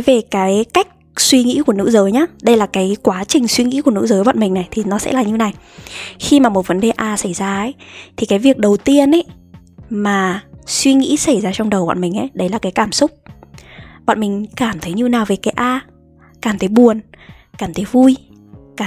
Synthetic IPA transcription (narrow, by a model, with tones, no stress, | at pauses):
jve˨˩kaː˨˦jka˦˥jk̟̚swi˧ŋḭ˧˥ku˧˩ənɨ̰˧˥zəː˨˦jɲaː˦ɗə˧jlaː˨˩kaː˨˦jkwaː˨˦t͡ɕï˨˩ŋ̟swi˧ŋḭ˧˥ku˧˩ənɨ̰˧˥zəː˨˦jɓa̰˧˨nmï˨˩ŋna˨˩jt̪ʰi˨˩nɔ˨˦sɛ̰˧˥laː˨˩ɲɨ˧wna˨˩jxi˧maː˨˩mo˨˩t̚və˨˦nɗe˨˩ʔaː˧sa˧˩jzaː˧ə˨˦jt̪ʰi˨˩kaː˨˦jvi˨˩ək̚ɗə˨˩wt̪i˧ənʔə˨˦j | maː˨˩swi˧ŋḭ˧˥sa˧˩jzaː˧t͡ɕɔ˧wŋ͡mɗə˨˩wɓa̰˧˨nmï˨˩ŋ̟ʔə̰˨˦jɗə˨˦jlaː˨˩kaː˨˦jkaː˧˩msʊ˦˥k͡p̚ | ɓa̰˧˨nmï˨˩ŋ̟kaː˧˩mt̪ʰə˨˦jɲɨ˧naː˨˩wve˨˩kaː˨˦jʔaː˧ | kaː˧˩mt̪ʰə˨˦jɓu˨˩ənkaː˧˩mt̪ʰə˨˦jvu˧j | kaː˧˩